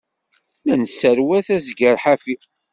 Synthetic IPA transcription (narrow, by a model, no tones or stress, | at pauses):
lænsəɾwæθæzɡəɾħafi